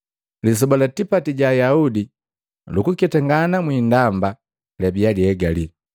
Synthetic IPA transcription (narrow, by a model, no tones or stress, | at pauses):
lis̬ɔbalatipatiɟajaudi | lukukɛtaŋɡanamwiːndamba | labialiɛɡali